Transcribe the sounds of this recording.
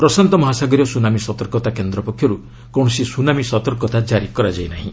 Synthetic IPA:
pɾɔsant̪ɔmɔɦasaɡɔɾijɔsunamisɔt̪ɔɾkɔt̪akend̪ɾɔpɔkʰːjɔɾu | kɔɳ̃ɔsisunamisɔt̪ɔɾkɔt̪ad͡ʒaɾikɔɾad͡ʒajnaɦĩ

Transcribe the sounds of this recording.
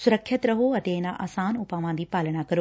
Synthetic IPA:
sʊɾəkʰːjət̪ɾɐɦoɐt̪eːɪnaʔa̰ːsaːnʊpaːʋãːnd̪iːpaːləɽ̃akɐɾo

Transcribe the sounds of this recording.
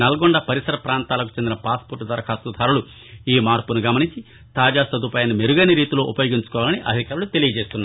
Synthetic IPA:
nɐlɐɡoɳɖɐpɐɾisɐɾɐpɾaːnt̪aːlɐk̬u̥t͡ʃend̪inɐpaːspuɾʈːd̪ɐɾɐkʰaːsud̪ʱaːɾulu | iːmaːɾpunuɡɐmɐniɲt͡ʃi | t̪aːd͡ʒaːsɐd̪upaːjɐnimeɾuɡɐniɾiːt̪ilo̞ːʔupɐjo̞ːɡiɲt͡ʃu̥kɔːʋaːlɐniʔɐ̰d̪ʱikaːɾulut̪e̞lijɐd͡ʒeːst̪unːa

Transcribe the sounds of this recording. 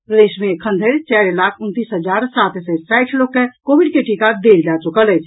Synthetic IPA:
pɾəd̪esmekʰənd̪ʱəɾt͡ʃɛɾlakʰunt̪isɦəd͡ʒaɾsat̪sɛsajʈʰlokːekobiɖkeʈikad̪eld͡ʒat͡ʃukələjt͡ʃʰ

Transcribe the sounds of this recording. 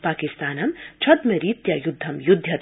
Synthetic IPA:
paːkist̪aːnɐmt͡ʃʰɐd̪meɾiːt̪jɐjud̪ʱːɐmjud̪ʱjɐ

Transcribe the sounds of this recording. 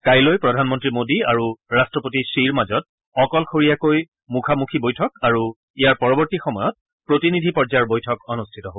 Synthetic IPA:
kajlojpɹɔdʱanmɔntɹimodiaɹuɹastɹɔpotisiɹmazɔt̚ | ɔkɔlxʰoɹijakoj | mukʰamukʰibojtʰɔkaɹu | ijaɹpɔɹɔbɔɹtixɔmɔjɔt̚ | pɹotinidʱipɔɹd͡ʒaɹbojtʰɔkɔnustʰitɔɦob

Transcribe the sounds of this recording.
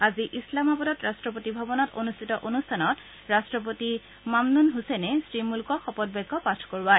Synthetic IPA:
aziʔislamabɔdɔtɹastɹɔp̬otibʱabɔnɔto̰nustʰitɔʔonustʰanɔt | ɹastɹɔp̬oti | mamnunɦusenɛsɹimulkɔxɔpɔd̚bɛɡʱːɔpatʰkoɹa

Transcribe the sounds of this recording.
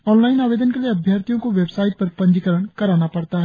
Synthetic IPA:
ɔːnlaːɪnaːʋeːd̪ənkelieɐbʱjaːɾt̪ijõkoʋebsaːɪʈ̚pɐɾpɐ̃ɲd͡ʒkəɾəɳ̃kɐɾaːnapɐɽt̪aɦɛ

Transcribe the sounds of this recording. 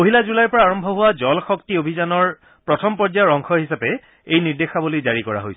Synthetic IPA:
oɦilazulajpɔɹaːɹɔmbʱɔɦʊwazɔlxɔktiobʱizanɔɹ | pɹɔtʰɔmpɔd͡ʒjaɹɔŋkʰɔɦisapɛ | ejniɹdexabulojzaɹikɔɹa̰ɦojs

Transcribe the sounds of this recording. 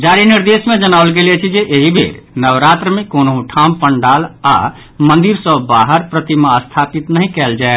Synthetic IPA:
d͡ʒaɾiniɾd̪esmed͡ʒənaʊlɡelet͡ʃʰid͡ʒeʔeɦibʱḛɾ | nəʋɾat̪ɾəmekonoɦũʈʰampəɳɖala̰ | mənd̪iɾsəbaɦəɾpɾət̪imaəst̪ʰapit̪nəɦĩkɛld͡ʒae

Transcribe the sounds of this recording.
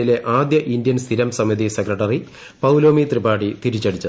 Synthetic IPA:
ileʔaːd̪jɐʔind̪jɐnst̪ʰiɾɐmsɐmiðisekrɐʈːɐri | pɐwloːmiːt̪ribaːɽit̪iɾit͡ɕːɐɽʰit͡ɕːɐ

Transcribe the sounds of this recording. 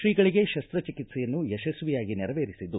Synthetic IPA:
ʃɾiːɡɐɭiɡe̞ʃɐst̪ɾɐt͡ʃikit̪sɛjɐnːujɛʃɐsʋijaːɡinɛɾɐʋeːɾisid̪ːu

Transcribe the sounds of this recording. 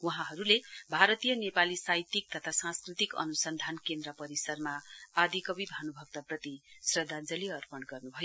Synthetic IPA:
wuɦãɦʌɾulebʱaɾʌt̪ijʌnepalisajt̪ik̚t̪ʌt̪ʰasãskrit̪ikʌ̰nusʌnd̪ʱankend̪rʌpʌɾisʌrmaad̪ʱikʌbibʱanubʱʌɡ̚t̪ʌprʌt̪isrʌd̪ʱːand͡zʌliʌrpʌɳɡʌrnubʱʌjo

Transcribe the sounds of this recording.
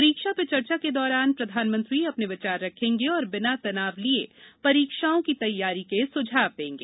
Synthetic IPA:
ɾiːkʃapet͡ʃɐɾt͡ʃaked̪ɔːɾaːnpɾɐd̪ʱaːnmə̃nt̪ɾiɐpneʋɪt͡ʃaːɾːɐkʰẽːŋɡeɔːɾbɪnat̪ɐnaːʋliepɐɾiːkʃaːõkit̪ɐjːaːɾikesʊd͡ʒʱaːʋd̪ẽːŋɡḛː

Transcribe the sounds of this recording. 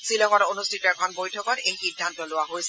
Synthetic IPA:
silɔŋaɹonustʰitɔɛkʰɔnbojtʰɔkɔtejxidʱːant̪ɔloaɦojs

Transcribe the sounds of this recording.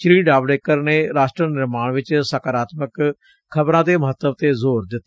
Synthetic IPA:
t͡ʃɾiːɖaːbleːkəɾneːɾaːsʈɾənɪɾmaːɳʋɪt͡ʃsəkəɾaːt̪mək | kʰːəbɾãːt̪eːməɦət̪ːəbt̪eːzoːɾd̪ɪt̪ː

